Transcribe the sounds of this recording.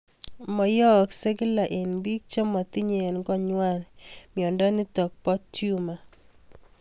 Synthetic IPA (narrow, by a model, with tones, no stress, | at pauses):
mɔ˨jɔ˦˨kse˦ɡɪ˦la˨ʔɪ˨nbi˦k̚t͡ʃe˦mɔ˨t̪ɪ˦ɲe˨nɡɔ˦ɲwa˦˨nmjɔ˨ndɔ˦nɪ˦t̪ɔ˨k̚pɔ˦ttju˦ma˨